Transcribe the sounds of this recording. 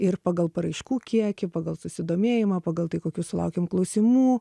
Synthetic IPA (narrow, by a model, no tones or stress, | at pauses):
ɪrpɑːɡɐlˠpɐɾɐɪʃkuːkʲiɛkʲɪpɑːɡɐlˠsʊsʲɪd̪oːmʲeːjɪmɐpɑːɡɐlˠt̪ɐɪkoːkʲuːsʊlˠɐ̰ʊkʲeːmklˠɐʊsʲɪmuː